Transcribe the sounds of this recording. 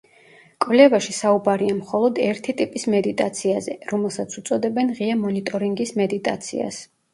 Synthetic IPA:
kʼvlɛvaʃisaubaɾiamχɔlˠɔd̪ɛɾt̪ʰit̪ʼipʼismɛd̪it̪ʼat̪sʰiazɛɾɔmɛlˠsat̪sʰut̪sʼɔd̪ɛbɛnʁiamɔnit̪ʼɔɾiŋɡismɛd̪it̪ʼa̰t̪sʰḭa̰s

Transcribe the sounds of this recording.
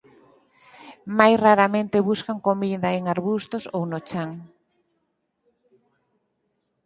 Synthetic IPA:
majsraɾamẽnt̪eβuskaŋkomiðɐeŋaɾβust̪osownot͡ʃaŋ

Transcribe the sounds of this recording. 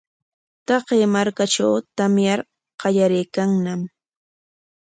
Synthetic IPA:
t̪ɑqeːmaɾkaʈ͡ʂawt̪amjaɾ | qɑjaɾɪjkaŋnam

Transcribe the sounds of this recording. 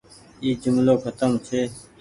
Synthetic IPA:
iːd͡ʒʊmloːkʰət̪əmt͡ʃʰeː

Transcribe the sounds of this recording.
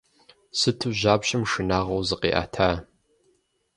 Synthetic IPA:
sɨtʰɨʑaːpɕɐmʂɨnaːʁɐwzɨqḛːʔa̰ːtʰaː

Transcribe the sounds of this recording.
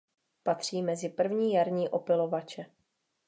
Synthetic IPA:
pat̪r̝̥iːmɛzɪpr̩vɲiːjaɾɲiːʔo̞pɪlo̞vat͡ʃɛ

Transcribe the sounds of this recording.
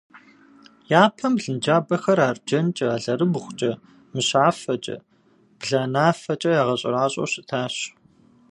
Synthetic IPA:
jaːpʰɐmɮɨnd͡ʒaːbɐxɐɾaːrd͡ʒɐnt͡ʃʼɐːɮɐrɨbʊχʷʊt͡ʃʼɐ | mɨɕaːfɐt͡ʃʼɐ̰ | b̥ɮaːnaːfɐt͡ʃʼɐjaːʁɐɕʼɪ̰raːɕʼo̰ɕɪtʰaːɕ

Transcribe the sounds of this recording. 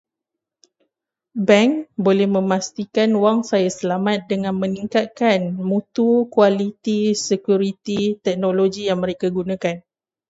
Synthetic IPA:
bɛŋkbolɛhmə̃mãst̪ikanwaŋsajasəlamat̪̚dəŋãnmə̃niŋkat̪̚kanmũt̪ukwalit̪isəkjuɾit̪it̪ɛk̚nõloɡijaŋmə̃ɾekaɡunãkan

